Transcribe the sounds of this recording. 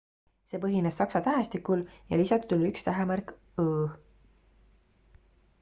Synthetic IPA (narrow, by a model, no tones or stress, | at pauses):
se̞ːpɤɦinessɑksɑt̪æɦest̪ikuljɑ̰lisɑt̪t̪ulykst̪æɦemærk | ɤː